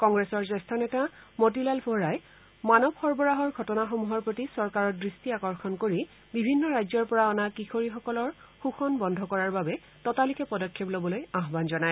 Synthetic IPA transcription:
kɔŋɡɹesɔɹzɛstʰanɛtamotilalbʰʱoɹaj | manɔbxɔɹbɔɹaɦɔɹɡʱɔtɔnaxomuɦɔɹpɹotisɔɹkaɹɔdɹistiakɔɹxʰɔnkoɹi | bibʱinːɔɹajzɔɹpɔɹaɔnakixʰoɹixɔkɔlɔɹ | xuxɔnbɔndʱɔkɔɹaɹbabɛ | tɔtalikɛpɔdɔkʰːeplobɔlojaɦbanzɔnaj

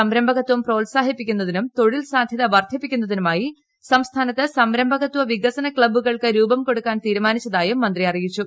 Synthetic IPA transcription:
ɐmɾɐmbʱɐɣɐt̪ːwɐmproːlsaːɦipːikʲːunːɐðinumt̪o̞ɻilsaːd̪ʱjɐðɐʋɐrd̪ʱjɐpːikʲːun̪ːɐðinumaːji | sɐmst̪ʰaːnɐt̪ːɨsɐmɾɐmbʱɐɣɐt̪ːuʋɐʋiɡɐsɐnɐkɭɐbuɣɐɭkɨɾuːbɐmko̞ɽukːaːnt̪iːɾumaːnit͡ɕːɐðaːjumːɐnd̪rijɐrijit͡ɕːu

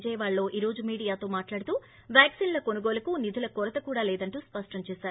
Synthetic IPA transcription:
d͡ʒɐjɐʋaːɭlːo̞ːʔiːɾo̞ːd͡ʒumiːɽijaːt̪o̞ːmaːʈlaːɽut̪uː | ʋjaːksiːnlɐkonuɡoːlɐkunid̪ʱulɐkɔɾɐt̪ɐkuːɽaːlɛːd̪ɐɳʈuːspɐʂʈɐmt͡ʃɛːsaːɾu

